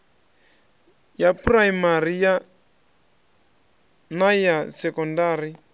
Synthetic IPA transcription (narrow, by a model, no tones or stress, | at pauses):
japraimaɾija | najasɛkɔndaːɾi